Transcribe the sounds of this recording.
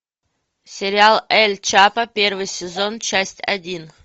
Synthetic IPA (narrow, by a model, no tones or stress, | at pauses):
sʲɪɾʲɪalˠɛlʲt͡ɕapəpʲervɨjsʲɪzo̞nt͡ɕæsʲtʲɐ̰dʲin